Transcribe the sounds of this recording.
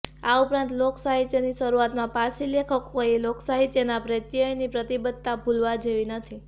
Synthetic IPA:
aupɾãnt̪loksaɦit̪jəniʃəɾuat̪mãpasilekʰəkːoiloksaɦit̪enapɾet̪jəjnipɾət̪ibəd̪̚t̪abʱulʋad͡ʒeʋinət̪ʰi

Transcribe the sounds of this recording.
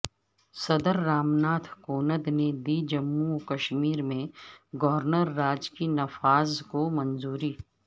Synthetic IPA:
sɐd̪əɾːaːmnaːt̪ʰkoːnəd̪ned̪iːd͡ʒɐmːukɐʃmiːɾmẽɡɔːɾnəɾːaːd͡ʒkinɐfaːzkomɐnzuːɾiː

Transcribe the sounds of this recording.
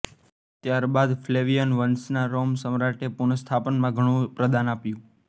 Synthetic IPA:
t̪jaɾbad̪fleʋijənʋənsnaɾomsəmɾaʈepuɳəst̪ʰapənmãɡʱəɽ̃ũpɾəd̪anapjũ

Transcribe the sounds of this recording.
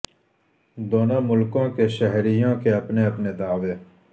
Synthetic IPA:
d̪oːnaːmʊlkõːkeʃəɦɾijõːkeɐpneɐpned̪aːʋeː

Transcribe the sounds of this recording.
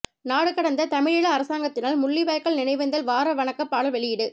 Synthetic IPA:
naːɽɯkːɐɽɐnd̪ɐt̪ɐmɪɻɪɭɐːɾɐsaːŋɡɐt̪ːɪnaːlmʊɭːɪʋɐjkːɐɭnɪnɐɪʋɐnd̪ɐlʋaːɾɐʋɐɳɐkːɐpːaːɽɐlʋɛɭɪjɪɽɯ

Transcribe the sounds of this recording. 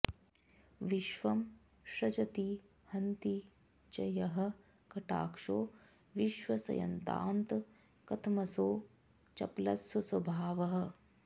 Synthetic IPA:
ʋɪʃʋɐm | ʃɐd͡ʒɐt̪i | hɐnt̪i | t͡ʃɐjɐɦɐ̆ | kɐʈa̰ːkʂoː | ʋiʃʋɐsɐ̰jɐ̰nt̪a̰ːnt̪ | kɐt̪ʰmɐsoː | t͡ʃɐ̰plɐ̰t̪swɐswɐbʱaːʋɐɦɐ̆

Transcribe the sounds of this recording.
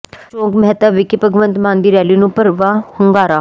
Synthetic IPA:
t͡ʃõːɡmɦt̪aːʋɪkɪpəɡʋə̃nt̪mãːnd̪iːɾɛːliːnũːpəɾʋaːhʊŋɡaːɾaː

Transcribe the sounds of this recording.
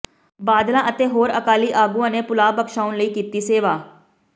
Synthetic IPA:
baːd̪lãːʔət̪eːɦoːɾəkaːliːʔaːɡuãːneːpʊlaːbəkʃaːʊnləiːkiːt̪iːseːʋaː

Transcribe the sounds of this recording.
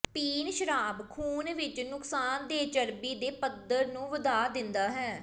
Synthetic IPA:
piːnʃəɾaːbkʰuːnʋɪt͡ʃnʊkʰsaːnd̪eːd͡ʒəɾbiːd̪eːpəd̪əɾnũːʋəd̪aːd̪ɪnd̪aːɦɛː

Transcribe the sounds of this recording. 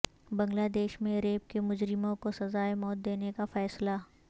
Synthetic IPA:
bɐ̃ŋɡlaːd̪eːʃmẽɾeːp̚kemʊd͡ʒɾɪmõkosɐzaːemɔːt̪̚d̪eːnekafɛːsla

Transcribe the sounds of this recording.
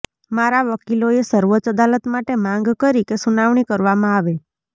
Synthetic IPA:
maɾaʋəkiloesəɾʋot͡ʃəd̪alət̪maʈemãŋɡkəɾikesunaʋɳ̃ikəɾʋamãaʋe

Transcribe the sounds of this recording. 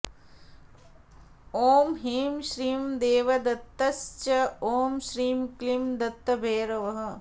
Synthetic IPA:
oːmɦiːmʃɾiːmd̪eːʋɐd̪ɐt̪ːɐst͡ʃɐoːmʃɾiːmklimd̪ɐt̪ːɐbʱeːɾɐʋɐɦɐ̆

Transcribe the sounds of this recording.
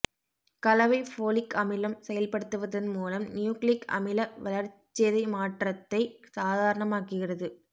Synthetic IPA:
kɐlɐʋɐɪfoːlɪkɐmɪlɐmsɛjɐlpɐɽɯt̪ːɯʋɐðɪnmuːlɐmnjuːklɪkɐ̰mɪlɐʋɐlɐɾt͡ʃːeːðɐɪmaːʈrɐt̪ːɐɪsaːðaːɾɐɳɐmaːkɯɣɪrɐðɯ

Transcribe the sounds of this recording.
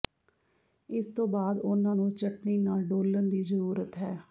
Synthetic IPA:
ɪst̪õːbaːd̪ʊnãːnũːt͡ʃəʈniːnaːlɖoːlənd̪iːzəɾuːɾət̪ɦɛː

